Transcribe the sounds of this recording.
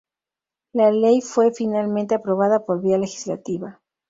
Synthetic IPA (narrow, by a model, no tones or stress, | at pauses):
lale̞jfwe̞finalment̪e̞apɾo̞β̞aðapo̞ɾβiale̞xi̥zla̰t̪iβa